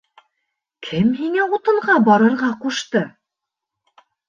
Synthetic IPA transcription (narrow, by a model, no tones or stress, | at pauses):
kʰɘmɦiŋæut̪ɤ̆ɴʁɑbɒɾɤ̆ɾʁɑquʃt̪ɤ